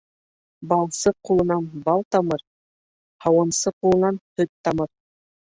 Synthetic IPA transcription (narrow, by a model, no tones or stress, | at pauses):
bɑlˠsɤqulˠɤ̆nɑnbɑlˠt̪ɑmɤɾ | hɑwɤnsɤqulˠɤ̆nɑnhɵt̪ːɑmɤɾ